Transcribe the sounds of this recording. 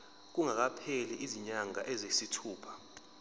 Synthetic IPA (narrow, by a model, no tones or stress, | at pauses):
k̬uŋak̬apʰeliʔiziɲaŋaʔɛzesitʰuːpʰḁ